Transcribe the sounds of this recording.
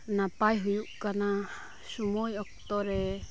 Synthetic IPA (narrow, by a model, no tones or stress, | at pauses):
nãpaiɦujuʔkanã | ʃumõiokt̪oɾe